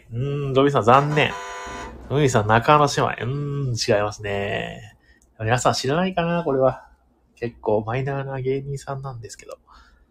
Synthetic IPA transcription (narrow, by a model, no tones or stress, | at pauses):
ɯ̟̃ɴd̪obʲis̬ãnzãnːẽ̞̰ɴ | ɯ̟̃isãnːakano̞ɕima̰ḭɯ̟̃t͡ɕiɡaimasɨne̞ | amʲinasãɕiɾanaikanako̞ɾe̞βa | ke̞kːo̞ːmainanaɡe̞ːɲʲĩːsãnːãnd̪e̞sɨ̥ke̞d̪̥o̞̰